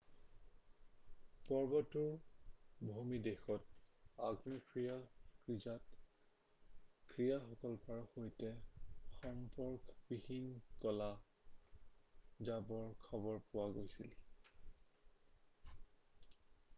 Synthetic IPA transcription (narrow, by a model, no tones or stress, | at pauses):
pɔɹbɔtuɹ | bʱumidexɔt̚aɡnɔkɹijakɹizat | kʰɹijaxɔkɔlpaɹɔxojtɛxɔmpɔɹkbihinkɔla | zabɔɹkʰɔbɔɹpʊwaɡojsil